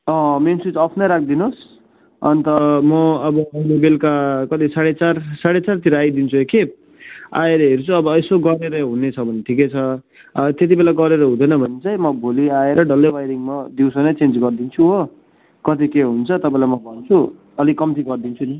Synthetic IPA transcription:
ʌ̃mensut͡sʌpʰnʌɾak̚ʰd̪inos | ʌnt̪ʌmʌʌbʌʌjlebelkakʌt̪isaɽet͡sarsaɽet͡sart̪iɾʌajd̪int͡sʰueke | a̰eɾʌɦeɾut͡sʰuʌbʌesoɡʌɾeɾʌɦunet͡sʰʌbʱʌneʈʰiket͡sʰʌ | t̪et̪̬ibelaɡʌɾeɾʌɦũd̪ʌjnʌbʱʌnet͡sajmʌbʱoliaeɾʌɖʌlːʌjwajɾiŋmʌd̪iwsʌnʌt͡send͡zɡʌrd̪int͡sʰuɦo | kʌt̪ikeɦunt͡sʰʌt̪ʌpãĩlajmʌbʱʌnt͡sʰu | ʌlikʌmt̪ʰiɡʌrd̪int͡sʰuni

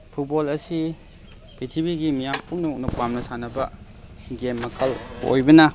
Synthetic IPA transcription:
pʰut̚bolɐsi | pitʰibiɡimijampunɐuk̚nɐpamnɐsanɐbɐ | ɡemːɐkʰɐlo̰jbɐnɐ

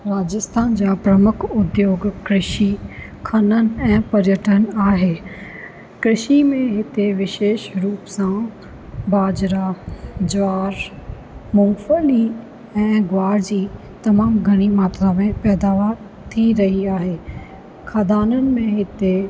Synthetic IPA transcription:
ɾaːd͡ʑəst̪ʰaːnd͡ʑaːpɾɐmʊkʰʊd̪joːɡkɾɪʃi | kʰɐnən̆ɛ̃ːpɐɾjəʈʰənaːɦeː | kɾɪʃimẽɦɪt̪eʋɪʃeːʃɾuːpsã | baːd͡ʑɾad͡ʑʋaːɾ | mʊ̃ŋfəli | ɛ̃ːɡwaːɾd͡ʑiː | t̪ɐmaːmɡʱɐɽ̃imaːt̪ɾamẽpɛːd̪aːʋaːɾ | t̪ʰiɾɐɦiaːɦeː | kʰaːd̪aːnənɪ̆mẽɦɪt̪e

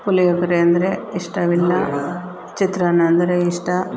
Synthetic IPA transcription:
pulijɐkɐɾeɐnd̪ɐɾeiʂʈɐʋilːɐ | t͡ʃit̪ɾanɐɐnd̪ɐɾeiʂʈɐ

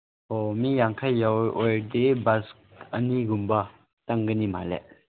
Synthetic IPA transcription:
omijaŋkʰajːawʔojd̪ebaskəniɡumbɐ | taŋɡənimalḛʔ

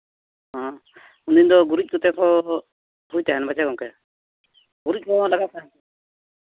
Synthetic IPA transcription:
ɦɔ̃ | und̪ind̪ɔɡuɾitc̚ˀkɔt̪ɛkʰɔ | ɦujt̪ɛɦɛnbad͡ʒakɔŋkɛ | ɡuɾic̚kʰɔlaɡasa

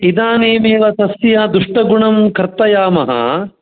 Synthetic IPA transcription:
id̪aːneːmeːʋɐt̪ɐsjaːd̪uʂʈɐɡuɳɐmkɐɾt̪ɐjaːmɐɦɐ̰

